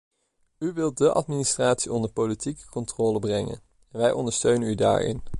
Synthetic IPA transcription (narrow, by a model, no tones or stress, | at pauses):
yʋɪlˠt̚dəʔɑ̰tministraːtsiɔndəɹpolitikə̥kɔntrɔːləbrɛŋə̰n | nʋɛjʔɔndəɹstøɥnənyda̰ːɹɪ̰n